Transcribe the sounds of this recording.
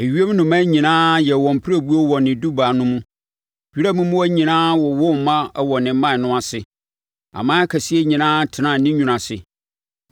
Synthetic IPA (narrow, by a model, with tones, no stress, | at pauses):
e˨ɥi˦e˦m˦nʊ̃˨mã˦ɲĩ˨nãː˦jɛ˨wɔ̃˨m˨pʰɾæ˨bu˦o˦wɔ˨nɪ̃˨du˦baː˨nʊ̃˦mũ˦ | ɥi˦ɾa˦mʊ̃˦mũ˦æ˦ɲĩ˨nãː˦wɔ˨wʊ˦m˨mã˦wɔ˨nɪ̃˨˦mã˦˨nʊ̃˦a˨sɪ˨ | a̰˨mãː˦kʰæ˨si˦e˦ɲĩ˨nãː˦tʰɪ˨nã˦˨nɪ̃˦ɲũ˨nã˨sɪ˨